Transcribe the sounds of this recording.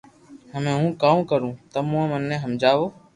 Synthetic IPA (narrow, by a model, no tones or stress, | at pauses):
ɦəmẽːɦũːkaːukəɾũːt̪əmũãːmənːẽːɦəmd͡ʒaːʋoː